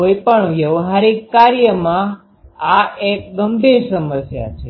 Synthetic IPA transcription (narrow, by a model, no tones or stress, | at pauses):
ɦojpəɳjəʋɦaɾikaɾjəmã | aek̚ɡəmbʱiɾsəməsja̰t͡ʃʰe